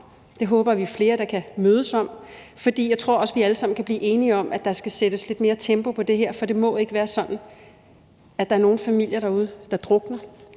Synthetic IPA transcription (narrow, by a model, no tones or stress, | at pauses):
d̥e̝ɦɔ̽ːb̥ɐʋifle̝ːɐɾɑ̈kʰæmøːð̞ˠəsɒ̽m̰fɒ̽d̥ḭːjɑ̈ɪt͡sʰʁo̝ɐ̰ɒ̽sʋiæləsɑ̈m̰n̩kʰæb̥liːʔe̝ːniɒ̽m̰ʔæd̥ɑ̈sɡ̥æsed̥əsle̝d̥me̝ːɐt͡sʰemb̥o̝pʰɒ̽d̥e̝ɦeɐ̰fɒ̽d̥e̝mɒ̽e̝ɡ̥əʋæːɐsɒ̽n̥n̩ | æd̥ɑ̈æɐno̝ːn̩fæmil̰jɐɾɑ̈uð̞ˠəd̥ɑ̈d̥ʁɔ̽ɡ̥nɐ